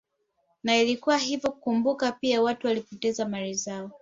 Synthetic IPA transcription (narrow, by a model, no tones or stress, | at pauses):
nailikuwahivjɔkukumbukapiawatuwalipɔtɛzamaɾizaɔ